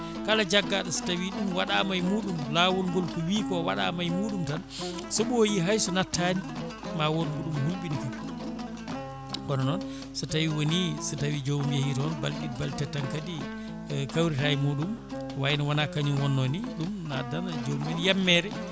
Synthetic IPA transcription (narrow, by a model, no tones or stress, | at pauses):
kalad͡ʒaɡːaɗɔsi̥tawiɗumwaɗamajmuːɗumlaːwɔnɡɔlkɔwiːkɔwaɗa̰majmuːɗumtan | sɔɓojiɦajsɔnatʰːani | mawɔlɡɔɗumhulɓinika | kɔnɔnɔn | sɔtawiwonisutawid͡ʒomumjahitɔnbalɗitbaltɛtːaŋkadi | kawɾitajimuːɗum | wajnawanakaɲunwɔnːɔniɗumna̰danad͡ʒomanjamːɛɾɛ